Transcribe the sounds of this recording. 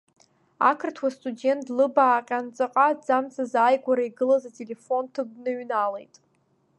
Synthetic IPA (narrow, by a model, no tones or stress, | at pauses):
akʰɨrtʰwastʼude̞ntʼʰlɨbaːqʲʼant͡sʼaqʼad͡zamt͡sʼazajɡʷaɾaiɡɨlazatʼele̞fo̞ntʰɨɡ̚ʷnɨɥnalejtʼ